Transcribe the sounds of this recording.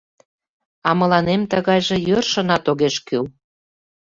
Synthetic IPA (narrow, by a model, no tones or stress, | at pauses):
ɑmə̆lɑnemt̪əɣɑjʒĕjørʃə̆nɑt̪oɣeʃkyl